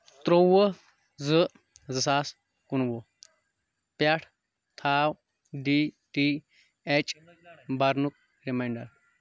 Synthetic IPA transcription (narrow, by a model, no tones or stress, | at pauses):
t̪ɾowə | zɨ | zɨsaːs | kunʋo | paʈʰ | t̪ʰaːw | ɖiːʈi | et͡ʃʼbaɾnuk̚ | ɾimajɳɖɐɾ